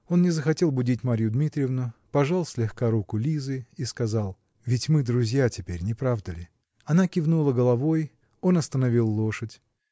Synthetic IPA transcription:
o̞nnʲɪzəxɐtʲe̞lˠbʊdʲitʲmaɾʲjʊd̪mʲit̪ɾʲɪɪvnʊpɐʐalˠsʲlʲɪxkaɾukʊlʲizɨiskɐzɑlˠ | vʲɪtʲmɨd̪ɾʊzʲjatʲɪpʲeɾʲnʲɪpɾavd̪əlʲɪ | ɐnakʲɪvnulˠəɡəlˠɐvo̞j | o̞nɐst̪ənɐvʲilˠːo̞ʂətʲ

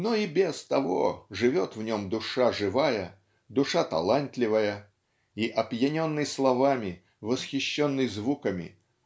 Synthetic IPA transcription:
noibʲest̪ɐvo̰ʐɨvʲo̞t̪vnʲomd̪ʊʂaʐɨvajə | d̪ʊʂat̪ɐ̰lˠant̪lʲɪvəjə | iʔɐpjɪnʲo̞nːɨjslˠɐvamʲɪ | vəsxʲɪɕːonːɨjzvukəmʲɪ̰

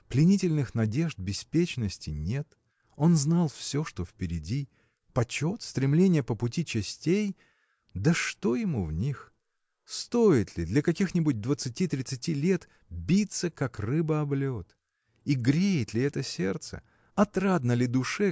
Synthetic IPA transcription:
plʲɪnʲitʲɪlʲnɨxnɐdʲe̞ʐd̪̚bʲɪspʲet͡ɕnəsʲtʲɪnʲe̞t̪ | o̞nznalˠfsʲoʂt̪o̞fpʲɪɾʲɪdʲi | pɐt͡ɕo̞t̪st̪ɾʲɪmlʲenʲɪjəpəpʊtʲit͡ɕɪsʲtʲej | d̪əʂt̪o̞jɪmuvnʲix | st̪o̞jɪt̪lʲɪd̪lʲɐkɐkʲixnʲɪbʊd̚ʲd̪vət̪sɨtʲit̪ɾʲɪt̪sɨtʲilʲe̞t̪ | bʲit̪səkakrɨbəɐblʲot̪ | iɡɾʲejɪt̪lʲɪɛt̪əsʲe̞rt̪sə̰ | ɐt̪ɾad̪nəlʲɪd̪ʊʂɛ

